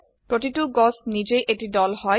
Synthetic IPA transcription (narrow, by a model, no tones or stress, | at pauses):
pɹotituɡɔsnid͡ʒejʔetidɔlhɔj